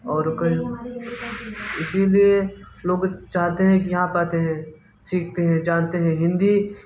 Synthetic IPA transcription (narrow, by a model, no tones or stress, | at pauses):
ɔːɾkɐ | ɪsilie | loːɡt͡ʃaːɦt̪eɦɛ̃kijɐɦãpaːt̪eɦɛ̃ | siːk̚ʰt̪eɦɛ̃d͡ʒaːnt̪eɦɛ̃ɦɪ̃nd̪i